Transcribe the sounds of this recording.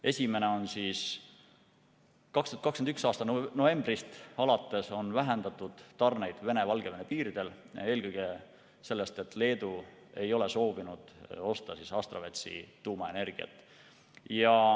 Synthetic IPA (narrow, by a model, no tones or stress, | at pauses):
e̞sʲime̞ne̞o̞nsiːs | kɑkst̪uɑt̪kɑkskend̪yksɑːst̪ɑno̞e̞mbrist̪ɑlɑt̪ːˑe̞so̞nvæɦe̞nd̪̥ɑt̪ˑud̪̥t̪ɑrne̞jd̪̥ve̞ne̞vɑlɡ̥e̞venepiːɾid̪̥e̞l | e̞ːlkɤjɡ̥e̞ | se̞lːe̞st̪e̞t̪ːˑle̞ːd̪̥u | e̞jo̞le̞so̞ːvinud̪̥o̞st̪ɑsisɑst̪rɑvet̪sḭt̪uːmɑe̞ne̞rɡ̥iɑ̰t̪ːˑ | jɑ